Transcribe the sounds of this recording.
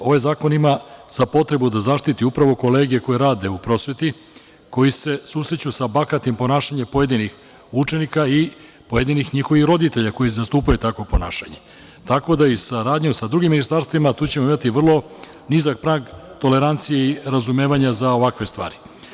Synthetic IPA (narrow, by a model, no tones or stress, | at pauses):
o̞ʋajzaːko̞nimaz̥apo̞t̪ɾe̞bud̪azaʃt̪it̪iupɾaʋo̞ko̞le̞ːɡije̞ko̞jeɾaːd̪e̞upɾo̞sʋe̞t̪i | ko̞jise̞suːsɾet͡ɕusabakat̪impo̞naːʃaɲepo̞je̞d̪inix | ut͡ʃe̞nikai | po̞je̞d̪inixɲixo̞ʋixɾo̞d̪it̪e̞ʎako̞jizast̪uːpajut̪ako̞po̞naːʃaɲe | t̪ako̞d̪aisaɾaːd̪ɲusad̪ɾuɡimːinist̪aɾst̪ʋimat̪uːt͡ɕe̞moimat̪iʋr̩lˠo̞ | nizakpɾaɡt̪o̞le̞ɾant̪sijeiɾazume̞ːʋaɲazao̞ʋakʋe̞st̪ʋa̰ːɾi